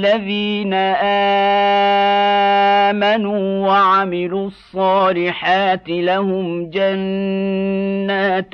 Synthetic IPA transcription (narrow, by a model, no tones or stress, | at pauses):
aðiːnaʔaː | manuːwaʕamɪluːɑsˤːɑːlɪħaːt̪ɪlahʊmd͡ʒan | aːt̪